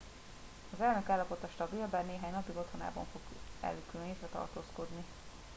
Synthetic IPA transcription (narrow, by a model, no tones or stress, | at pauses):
ɒzɛlnø̞kaːlːɒpo̞t̪ɒʃt̪ɒbelbɛnneːɦaːɲnɒpiɡo̞t̪hona̰ːbɒ̰ɱfo̞ɡɛ̰lykylønɦeːt̪ɾɛt̪ɒ̰rt̪oːsko̞d̪ni